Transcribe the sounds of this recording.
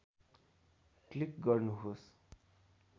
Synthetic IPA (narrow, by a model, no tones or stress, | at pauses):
klikɡʌrnuɦos